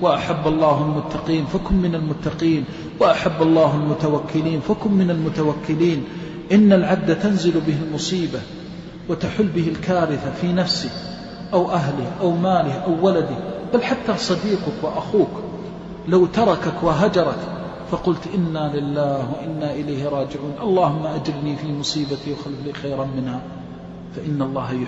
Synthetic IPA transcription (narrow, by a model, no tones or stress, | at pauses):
waʔaħabːɑlˤːɑːɦalmʊt̪ːɑqiːnfakʊmːɪnalmʊt̪ːaqiːn | waʔaħabːɑlˤːɑːɦalmʊt̪awakːɪliːnfakʊmːɪnalmʊt̪awakːɪliːn | ʔɪnːalʕab̚d̪ːat̪anzɪlbɪɦɪlmʊsˤiːba | wat̪aħʊlːbɪɦɪlkaːɾɪθafiːnafsɪk | ʔawʔaɦlɪhʔawmaːlɪhʔawːalad̪ɪhbalħat̪ːasˤɑd̪iːqʊkwaʔaxuːk | lawt̪ɑɾˤɑkakwaɦad͡ʒɑɾˤɑk | fɑqʊlt̪ʔɪnːalɪlːaːhwaʔɪnːaʔɪlajhɪɾˤɑːd͡ʒɪʕuːnʔɑlˤːɑːhʊmːaʔad͡ʒɪɾniːfiːmʊsˤiːbat̪iwaxalfliːxajɾanmɪnha | faʔɪnːɑlˤːɑːhj